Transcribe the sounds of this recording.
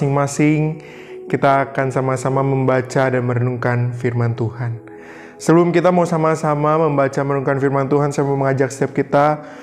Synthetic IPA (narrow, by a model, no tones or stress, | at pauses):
ɪŋmasɪŋ | kit̪aːkansamasamaməmbat͡ʃadanməɾənuŋkanfirmant̪uhan | səblʊmkit̪amausamasamaməmbat͡ʃaməɾənuŋkanfirmant̪uɦansamaməŋad͡ʒaksə̥t̪iap̚kit̪a